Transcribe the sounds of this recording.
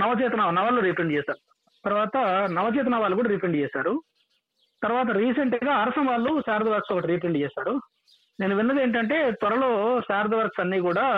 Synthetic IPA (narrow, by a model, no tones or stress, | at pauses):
nɐʋɐt͡ʃɛːt̪ɐnaːnɐʋaːlːuɾipeɳɖt͡ʃɛːsaːɾu | t̪ɐɾʋaːt̪ɐnɐʋɐt͡ʃɛːt̪ɐnaːʋaːlukuːɽaːɾipeɳɖt͡ʃɛːsaːɾu | t̪ɐɾuʋaːt̪̬ɐɾiːseɳʈɡaːɐɾɐsɐmʋaːlːusaːɾd̪ɐʋɐɾksoːkɐʈiɾipeɳɖt͡ʃɛːsaːɾu | ne̞ːnuʋinːɐd̪eːɳʈ̬ɐɳʈe̞ːt̪ʋɐɾɐloːsaːɾd̪ɐʋɐɾksɐnːiːkuːɽaː